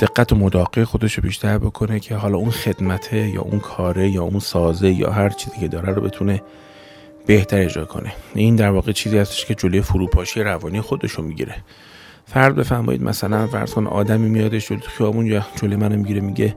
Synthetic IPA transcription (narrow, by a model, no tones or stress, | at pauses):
d̪̥e̞ɡːæt̪ʰomod̪ɒːɣexo̞d̪e̞ʃobiːʃt̪ʰæɾbo̞kʰo̞ne̞cʰeɦɒːlɒːunxe̞d̪̥mæt̪ʰejɒ̰ːʔṵnkʰɒːɾe̞jɒːunsɒːzejɒ̰ːɦæɾt͡ʃʰiːziːcʰe̞d̪ɒːɾæɾobe̞t̪ʰune̞ | b̥e̞ht̪ʰæɾe̞d͡ʒɾɒ̰ːkʰo̰nʔe̞ind̪æɾvɒːɣet͡ʃʰiːziːhæst̪eʃcʰe̞d͡ʒolojefuɾuːpʰɒːʃijeɾævɒːniːexo̞d̪e̞ʃomiɟḭɾe̞ | fæɾd̪be̞fæɾmɒ̰ːjḭd̪mʔæ̰sælænfæ̰ɾz̥konʔɒ̰ːd̪æmiːmijɒːd̪e̞ʃd͡ʒolojexijɒːbunjɒd͡ʒolemænomiɟiɾemiɟe̞